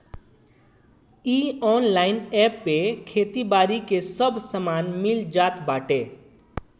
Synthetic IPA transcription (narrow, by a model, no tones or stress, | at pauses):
iɔːnlaːɪnɛpːekʰet̪ibaːɾikesəbsəmaːnmɪld͡ʒaːt̪baːʈe